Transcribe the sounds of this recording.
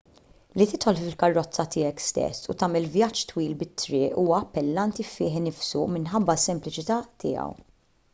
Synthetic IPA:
lit̪ɪt̪ħɔlffɪlkɐrːɔt͡sːɐt̪ɪːjɛkst̪ɛ̰sːṵt̪ɐːmɛlvjɐt͡ʃːt̪wiːlbɪt̪ːɾɪːʔuːwɐɐpːɛlːɐnt̪ifɪːħnɪfsumɪnħɐbːɐsːɛmplɪt͡ʃɪt̪ɐt̪ɪ̰ːɐ̰w

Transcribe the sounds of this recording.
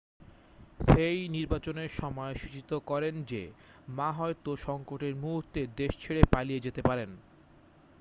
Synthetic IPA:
ʃejniɾbat͡ɕoneɾʃɔmɔeʃit͡ɕit̪okɔɾend͡ʑe | maɦɔet̪oʃɔŋkoʈeɾmuɦuɾt̪ed̪eʃt͡ɕʰeɽepalijed͡ʑet̪epaɾen

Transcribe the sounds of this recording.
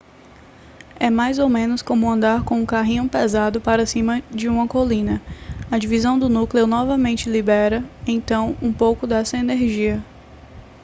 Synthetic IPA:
ɛmajzowmẽnʊskõmʊɐ̃nd̪aɾkõũkaɦĩɲʊ̃pezad̪ʊpaɾɐsĩmɐd͡ʒɪũmɐkolĩnɐɐd͡ʒivizɐ̃w̃d̪ʊnuklewnɔvɐmẽnt͡ʃɪlibɛɾɐẽj̃t̪ɐ̃w̃ũpowkʊd̪ɛsɐeneɾʒiɐ

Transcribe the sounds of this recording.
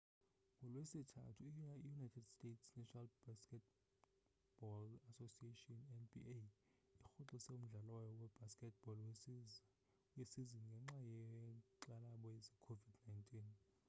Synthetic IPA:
kɔlwesitʰa̰tʰuijunajtʰɛdstʼetʰsnɛʃʰɔnalbaskɛt | b̥ɔlasosietʼiɔnɛnbḭe | ixuǁɔseum̩ɮalwajɔwɛbaskɛt̚b̥ɔlwe | wesiziŋɡʱɛŋ͡ǁajɛǃalaɓɔjɛzɛkʰovidnajntʼiːn

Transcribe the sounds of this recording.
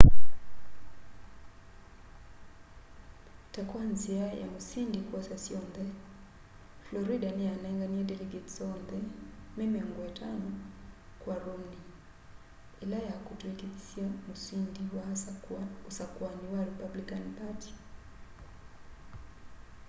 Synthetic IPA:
takwanziaja̰musindikwasasiɔndɛ | flɔɾidanɛanaɛŋɡaniɛdɛlɛɡɛtzɔndɛmɛmaŋɡɔɛtʰanɔkwaɾuni | ɛlajakutuɛkei̥siamusindiwa | usakwaniwaɾipablikanpatʰi̥

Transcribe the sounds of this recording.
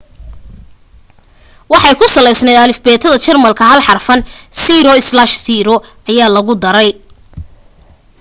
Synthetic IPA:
wɑħɑjkʰʊsɐlɛjsnɛːd̪ɐlɪfbɛːt̪ʰɐðɐt͡ʃɐrmɐlkʰɐɦɐlħɑrfɐnsiɾɔɪslaʃsiːɾɔʔɐjaːlɐɣʊd̪ɐɾɛj

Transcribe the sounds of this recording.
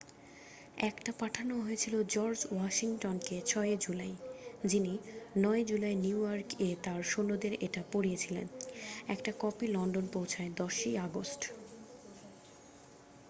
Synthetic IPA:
ɛkʈapaʈʰanoɦojet͡ɕʰilod͡ʑɔɾd͡ʑwaʃiŋʈonket͡ɕʰɔeed͡ʑulajd͡ʑininɔed͡ʑulajniujaɾket̪aɾʃonod̪eɾeʈapoɽiet͡ɕʰilḛnɛkʈakɔpilɔnɖonpowt͡ɕʰaed̪ɔʃiaɡosʈ

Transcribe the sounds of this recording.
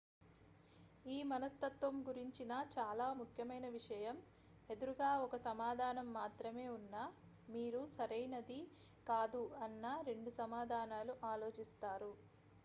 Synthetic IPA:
iːmɐnɐst̪ɐt̪ʋɐmɡuɾiɲt͡ʃinɐt͡ʃaːlaːmukʰjɐmɐjnɐʋiʂɐjɐm | e̞d̪uɾuɡaːɔkɐsɐmaːd̪ʱaːnɐmːaːt̪ɾɐme̞ːunːa | miːɾusɐɾɐjnɐd̪i | kaːd̪uɐnːɐɾe̞ɳɖusɐmaːd̪ʱaːnaːluʔaːlo̞ːt͡ʃist̪aːɾu

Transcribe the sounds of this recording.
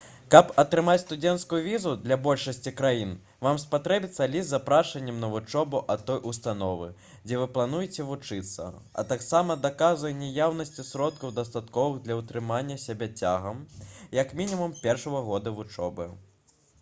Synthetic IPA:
kɐpɐt̪ɾɨmat͡sʲst̪ud͡zʲɛnt̪skujuvʲizud̪lʲɐbɔlʲʂɐsʲt͡sʲikɾajin | vamspat̪ɾɛbʲit̪sːɐlʲizzapɾaʂɐnʲːɛmnɐvut͡ʂɔbuʔɐt̪ːɔjʔust̪anɔvɨ̰ | d͡zʲɛvɨplˠan̪ujɛt͡sʲɛvut͡ʂɨt̪sːɐ̰ɐ̰t̪aksamɐd̪akazvɐjnʲɛjawnɐsʲt͡sʲisɾɔt̪kɐwd̪ɐst̪at̪kɔvɨɣd̪lʲɐut̪ɾɨmanʲːɐsʲabʲɛt͡sʲaɣɐmjɐkmʲinʲimumpʲɛrʂɐɣɐɣɔd̪ɐvut͡ʂɔ̰bɨ

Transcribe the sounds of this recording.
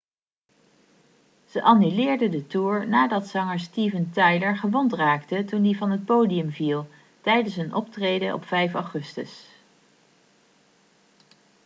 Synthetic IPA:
z̥əʔɑnylɪːɹdədətuːɹnaːdɑtsɑŋəɹstiːvəntɑjləɹχəʋɔntraːktətundivɑnɦət̚powdiəmvilˠ | tɛjdənsɦənʔɔptrejdəʔɔ̰pfɛjfɑwχɵstə̰s

